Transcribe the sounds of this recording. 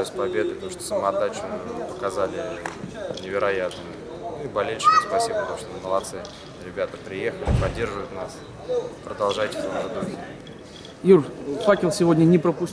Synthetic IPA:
ʊsʲpɐbʲe̞d̪ɨpət̪ɐmuʂt̪osəməɐd̪ːat͡ɕpə̥kɐzalʲɪ | nʲɪvʲɪɾɐjat̪nɨjʊ | nuibɐlʲelʲɕɪ̥kʲɪspɐsʲibəpət̪ɐmu̥ʂt̪oməlˠɐt̪sɨ | ɾʲɪbʲat̪əpɾʲɪjexəlʲɪpɐdʲːe̞rʐɨvəjʊt̪nas | pɾəd̪ɐlˠʐajtʲɪ̥ft̪omʐɨd̪uxʲɪ | jurfakʲɪlˠsʲɪvodʲnʲənʲɪpɾəpʊsʲ

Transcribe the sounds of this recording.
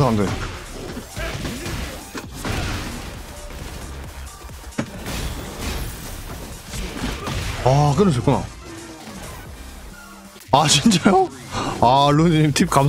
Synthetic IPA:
aande | akɯɾʌs̬ʰʌk͈una̰ | at͡ɕint͡ɕ͈ajo | alund͡ʑiɲimt̪ʰip̚kam

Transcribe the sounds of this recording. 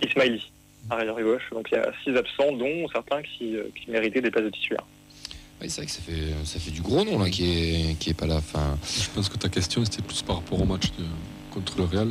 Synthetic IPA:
ismajli | aʁejɔʁeɡɔʃd̪ɔ̃klja̰sizapsɑ̃d̪ɔ̃sɛʁt̪ɛ̃kʲiø̰kʲʰimeʁit̪ɛd̪epazd̪ət̪ʰi̥t̪ylɛ̰ʁ | wḭsevʁɛkə̥safɛøsafɛd̪yɡʁonɔ̃lakʲiɛkʲiɛpalãfɛ̰̃ʒəpɑ̃skət̪akʲɛst̪jɔ̃ɛst̪ɛplyspaʁːapɔʁomat͡ʃd̪ə | kɔ̃t̪χələʁeal

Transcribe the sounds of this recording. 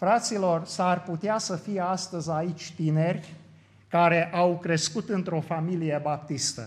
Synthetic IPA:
fɾat̪silo̞rsarput̪easəfijeast̪əzʲait͡ʃʲt̪ine̞rʲ | kaɾe̞ʔawkɾe̞skut̪ɨnt̪ɾo̞familije̞bap̚t̪ist̪ə̰

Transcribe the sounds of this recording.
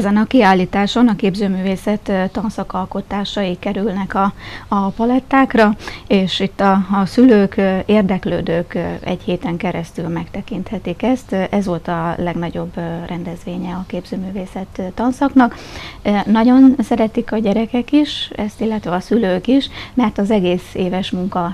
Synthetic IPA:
ɛzɛnɒkiaːlːiːt̪aːʃo̞nɒkeːbzøːmyːveːsɛt̪ːt̪ːɒnsɒkɒlko̞t̪aːʃɒjikɛɾylnɛkɒːpɒlɛt̪ːaːkrɒeːʃit̪ːɒsyløːkeːrd̪ɛklø̰ːd̪øːkɛ̰ɟheːt̪ɛŋkɛɾɛst̪ylmɛkt̪ɛkint̪hɛt̪ikɛst̪ʔɛzʋo̞lt̪ɒlɛɡnɒɟo̞brʔɛnd̪ɛzʋeːɲɛɒkeːbzøːmyːveːsɛt̪ːɒnsɒknɒk | nɒɟo̞nsɛɾɛt̪ikɒɟɛɾɛkɛkiʃɛst̪ilːɛt̪ʋɛɒsyløːkiʃmɛrt̪ɒzɛɡeːseːvɛʃmuŋkɒ

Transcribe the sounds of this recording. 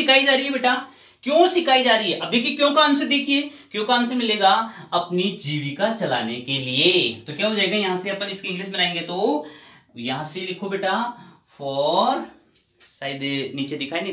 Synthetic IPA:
ɪkʰaːid͡ʒaːɾəiɦɛbeːʈa | kjõːsɪkʰaːid͡ʒaːɾəiɦɛʔɐb̚d̪eːkʰiekjõːkaːnsed̪eːkʰieːkjõːkaːnsemɪleːɡaɐpnid͡ʒiːʋikat͡ʃɐla̰ːnekeliet̪okjaːbod͡ʒaːeɡajɐɦãseɐpənɪskeɪ̃ŋɡlɪʃmẽnaːẽːŋɡet̪o | jɐɦãselɪkʰobeːʈa | ɔːɾ | saːɪd̪niːt͡ʃed̪ɪkʰaːin

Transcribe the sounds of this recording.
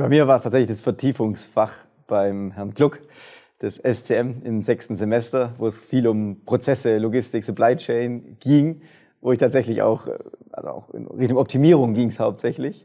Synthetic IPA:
b̥aɪmiːɐvaːʁəstʰaːtzɛçlɪçd̥asfɛɐtʰiːfʊŋsfaχ | b̥aɪmɦɛɐnklʊk | d̥ɛsɛstʰeːɛmɪmzɛkstn̩zemɛstɐvoːɛsfiːlʊmpʁ̥ot͡sɛsəloɡɪstɪksʊplaɪt͡ʃɛɪnɡ̥iːŋ | voːɪçtʰaːtz̥ɛçlɪça̰ʊxʔa̰lzo̰a̰ʊxɪ̰nʁɪ̰çtʊŋɔp̚tʰimiːʁ̞ʊŋɡiːŋshaʊp̚tz̥ɛçlɪç

